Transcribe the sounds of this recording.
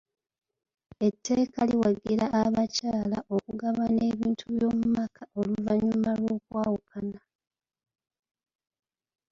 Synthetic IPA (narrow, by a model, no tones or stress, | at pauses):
e̞tʰːe̞ːkaliwaɡiɾaʔːβacaːlaʔo̞kuɡaβane̞βiːntʰuβjo̞ːmumakʰao̞luvaɲumalwo̞ːkwaːwukʰana